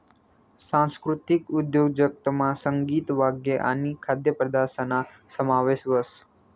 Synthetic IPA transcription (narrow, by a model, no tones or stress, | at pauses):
sãnskɾut̪ɪkʊd̪joɡd͡ʒək̚t̪əmãsəŋɡiːt̪ʋaɡjeʔa̰nikʰad̪jəpɾəd̪asənasəmaʋeʃʋəs